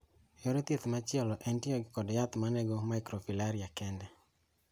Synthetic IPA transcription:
joɾet̪jet̪mat͡ʃɪɔlɔʔɛntioɡɪkɔdjat̪manɛɡɔmajkɾofilaɾiakɛndɛ

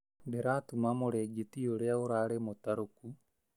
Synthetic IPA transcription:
dɛɾaːtumamoɾɛɡetioɾeaoɾaːɾemot̪aɾoku

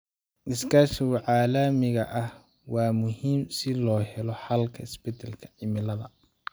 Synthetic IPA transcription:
ʔɪsɡaːʃɪɣʊʕɑːlɐmɪɣɐʔɐh | wɑːmʊhiːmsɪlɔːhɛlɔħɑlkʰɐɪsbɛt̪ʰɛlkʰɐ̥ʕɪmɪlɐðɐ

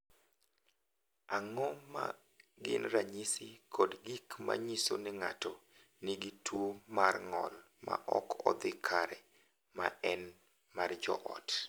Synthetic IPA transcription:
aŋɔma̰ | ɡɪnraɲisɪkʰɔdɡikma̰ɲisonɪŋato | niɡitumarŋɔ̰l | ma̰ʔɔkɔd̪ɪkʰaɾɛ | maɛn | mard͡ʒɔ̰ʔɔt

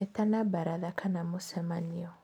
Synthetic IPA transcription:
etanabaɾaðakanamosɛmaniɔ

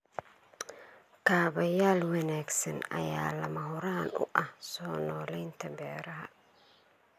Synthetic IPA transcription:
kʰaːβɐjaːlwɐnaːɡsɐnɐ̰ja̰ːlɐmɐɦʊɾaːnʊ̰ʔɐhsɔːnɔːlɛjnt̪ʰɐbɛːɾɐɦɐ̰

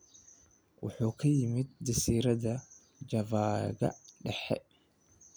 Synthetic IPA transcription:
wʔʊ̰ħʊkʰɐjɪmɪt̪̚d̪ɪsiːɾɐd̪ɐ | d͡ʒɐvaːɡɐ̰ᶑɛħɛ̰ʔ

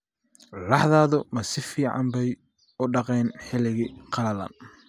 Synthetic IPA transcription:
lɑħðaːðʊmɐsɪfiːʕɑ̰mbɛj | ʊɖɑqɛːnħɪlɪɣɪqʰɑlɐlɐ̰n

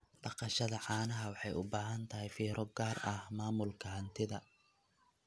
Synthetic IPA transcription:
ɖ̥ɑqɑʃɐðɐʕɑːnɐɦɐwɑħɑjʊbaːɦɐnt̪ʰɐɦɛjfiːɾʔɔɡaːrɐhmaːmʊlkʰɐɦɐnt̪ʰɪðɐ

